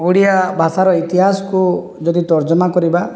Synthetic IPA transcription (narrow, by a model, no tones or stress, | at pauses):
uɽijabʱasaɾɔit̪iɦasɔ̥ku | d͡ʒɔd̪it̪ɔɾd͡ʒɔmakɔɾiba